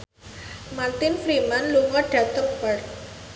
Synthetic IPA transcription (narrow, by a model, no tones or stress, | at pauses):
mart̪ɪnfɾimanluŋɔɖ̥ä̤t̪ɔk̚bart̪̚